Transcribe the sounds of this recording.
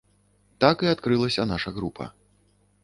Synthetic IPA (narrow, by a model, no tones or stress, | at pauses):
t̪akiat̪kɾɨlˠɐsʲɐnaʂɐɣɾupʰɐ̰